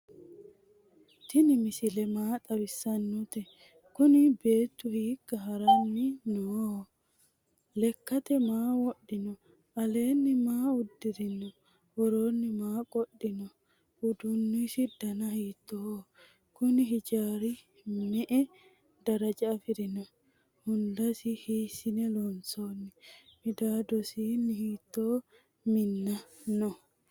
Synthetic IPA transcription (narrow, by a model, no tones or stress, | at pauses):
t̪ɪnɪmɪsɪlɛmaːt̪ʼɐbɪsːɐnːɔt̪ɛ | kʊnɪbeːt̪ːʊhiːkːɐɦɐɾɐnːɪnoː | lɛkːɐt̪ɛmaːwɔɗːɪnɔ | ɐle̞ːnːɪmaːʊd̪ːɪɾɪnːɔ | wɔɾoːnːɪmaːkʼɔɗːɪnɔ | ʔudunːisidanahiːt̪ːɔː | kuniɦid͡ʒaːɾi | mɛʔɛ | daɾad͡ʒaːfiɾinɔ | hundasihisinɛlɔnsoːnːimidaːdɔsinihit̪ːoː | minːanɔ